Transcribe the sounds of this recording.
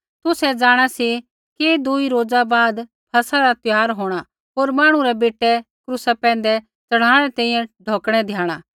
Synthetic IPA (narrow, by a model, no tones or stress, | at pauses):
t̪ʊsɛd͡ʒaːɽ̃asi | ked̪ʊiɾoːd͡zabaːd̪ | pʰɐsaɾat̪ɪjaːɾɦoːɽ̃a | ɦoːɾmaːɽ̃uɾɛbeːʈɛ | kɾʊsapɛ̃ːn̆d̪ɛ | t͡sɐɽ̤ãːɽ̃ɛt̪ɛ̃ːĩjɛ̃ɖʱoːkɽ̃ɛd̪ʱjaːɽ̃aː